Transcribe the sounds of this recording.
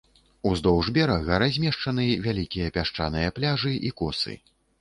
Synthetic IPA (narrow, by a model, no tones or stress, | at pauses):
uzd̪ɔwʐbʲɛɾɐɣɐɾazʲmʲɛʂt͡ʂɐnɨvʲalʲikʲijɐpʲaʂt͡ʂa̰nɨjɐplʲaʐɨʔikɔsɨ̰